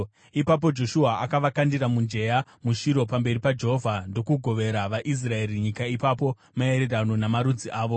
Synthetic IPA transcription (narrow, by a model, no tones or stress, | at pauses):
ipap̬o̞d͡ʒo̞ʃuaakaʋakandiɾamund͡ʒe̞ja | muʃiɾo̞pambe̞ɾipad͡ʒeɦovʱando̞kuɡʱo̞ʋe̞ɾaʋaʔis̬rae̞ɾiɲikaipapo̞ | mae̞ɾe̞ranonamaɾud͡ziʔaːʋo